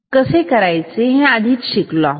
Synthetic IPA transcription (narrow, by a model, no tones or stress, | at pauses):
kəsekəɾajt͡seɦɛ̃ad̪ʱiːt̪ɕiklɔ